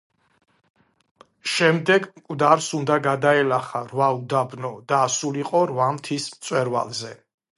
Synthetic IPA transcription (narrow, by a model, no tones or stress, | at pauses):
ʃɛmd̪ɛɡmkʼwd̪aɾsund̪aɡad̪aɛlaχaɾvaud̪abnɔd̪asuliqʼɔɾvamt̪ʰismt̪sʼwɛɾva̰lˠzɛ